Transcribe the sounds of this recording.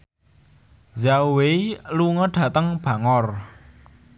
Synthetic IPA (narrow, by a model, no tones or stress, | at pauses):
zaweluŋɔɖ̥ä̤t̪əŋb̥ä̤ŋɔr